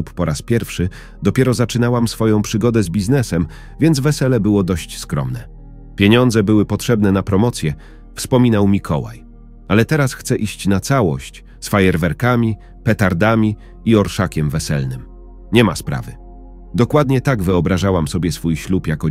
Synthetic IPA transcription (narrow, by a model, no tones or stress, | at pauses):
upːɔɾʔaspʲjɛɾfʂɘ | d̪ɔpʲjɛɾɔzat͡ʂɘnawamsfɔjɔ̃w̃pʂɘɡɔd̪ɛzbʲiznɛsɛm | vʲjɛnd̪zvɛsɛlɛbɘwɔd̪ɔɕt͡ɕskɾɔ̰mnɛ | pʲjeɲɔnd̪zɛbɘwɘpɔtʂɛbnɛnapɾɔmɔt̪sʲjɛ | fspɔmʲinawmʲikʰɔwa̰j | alɛt̪ɛɾasxt̪sɛʔiɕt͡ɕnat̪sawɔ̰ɕt͡ɕ | sfajɛɾvɛɾkamʲi | pɛt̪aɾd̪amʲi | iɔɾʂakʲɛmvɛsɛ̰lnɘm | ɲɛmaspɾa̰vɘ̰ | d̪ɔkwad̪ɲɛt̪aɡvɘɔbɾaʐawamsɔbʲjɛsfujɕlupjakɔ